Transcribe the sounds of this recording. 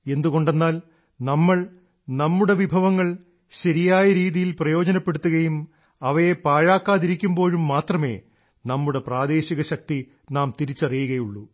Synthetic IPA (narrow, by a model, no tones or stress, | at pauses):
e̞nd̪uɣo̞ɳɖenːaːl | nɐmːɐɭ | nɐmːuɽe̞ʋibʱɐʋɐŋːɐɭ | ɕɐɾijaːjɐɾiːðijilprɐjo̞ːd͡ʑɐnɐpːe̞ɽut̪ːuɣɐjum | ɐʋɐjepaːɻaːkːaːðiɾikʲːumbo̞ːɻumːaːt̪rɐme̞̰ː | nɐmːuɽe̞praːd̪e̞ːɕiɣɐɕɐk̚t̪i | naːmt̪iɾit͡ɕːɐrijuɣɐjuɭːu